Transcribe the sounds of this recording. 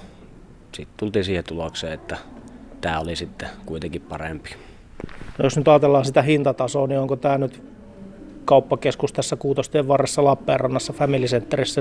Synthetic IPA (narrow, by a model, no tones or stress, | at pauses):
sit̪t̪ult̪iːnsiːhet̪ulokseːet̪ːæt̪æːolisit̪ːekuit̪eŋkippɑrḛmpi̥ | nojosnyt̪ɑːt̪elːɑːnsit̪æhint̪ɑt̪ɑsoːnioŋkot̪æːnyt̪ | kɑupːɑkeskust̪æsːækuːt̪ost̪eːʋʋɑrːesːɑlɑpːeːrːɑnːɑsːɑfæmilisent̪ːerisːæ